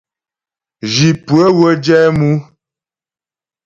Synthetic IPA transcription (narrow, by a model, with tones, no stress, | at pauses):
ʒi˨pwə˦ɣə˦d͡ʒɛ˦mu˦